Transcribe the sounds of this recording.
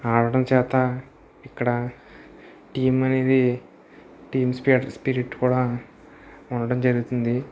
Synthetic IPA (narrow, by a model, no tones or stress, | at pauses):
aːɽɐɽɐmt͡ʃɛːt̪aː | ikːɐɽɐ | ʈiːmɐneːd̪i | ʈiːmspispiɾiʈːkuːɽaː | uɳɖɐɽɐmd͡ʒɐɾuɡut̪und̪i